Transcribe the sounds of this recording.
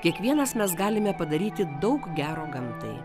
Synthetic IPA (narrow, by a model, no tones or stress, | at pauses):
kʲiɛkʋʲiɛnɐsmʲɛsɡɑːlʲɪmʲɛpɐd̪ɐɾʲiːt̪ʲɪd̪ɒʊkɡʲæːɾoːɡɐmt̪ɐ̰ɪ